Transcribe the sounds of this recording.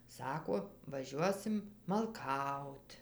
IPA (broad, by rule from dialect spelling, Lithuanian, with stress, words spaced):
ˈsɑːkoː ʋɐˈʒʲuɔsʲɪm mɐlˠˈkɐʊt